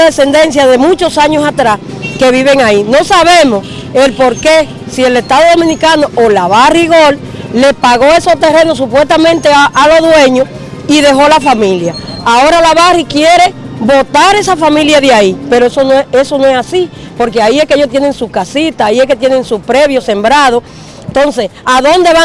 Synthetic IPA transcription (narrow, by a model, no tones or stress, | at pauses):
ðese̞nd̪e̞nsjaðe̞mũt͡ʃo̞saɲo̞sat̪ɾas | ke̞βiβe̞ŋainõ̞saβe̞mos | e̞lpo̞ɾke̞ | sie̞le̞st̪aðoðo̞mĩnikano̞ʔolaβariɣo̞lː | e̞hpaɣo̞e̞so̞t̪e̞re̞no̞supwe̞st̪amẽnt̪eʔalo̞ðwe̞ɲo | iðe̞ɦo̞lafamĩljaao̞ɾalaβarikje̞ɾe̞bo̞t̪aɾe̞safamĩljaðjaipe̞ɾoesonoee̞so̞no̞esasi | po̞ɾke̞aie̞hkeeʝoht̪je̞ne̞ŋsukasit̪aːie̞hke̞t̪je̞ne̞ŋsupɾe̞βjo̞se̞mbɾaðo̞ | nt̪o̞nse̞saðo̞nd̪e̞βa